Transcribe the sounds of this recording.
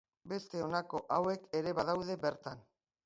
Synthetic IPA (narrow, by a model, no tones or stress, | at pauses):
be̞st̪e̞o̞nako̞ʔawe̞ke̞ɾe̞βaðawðe̞be̞ɾt̪an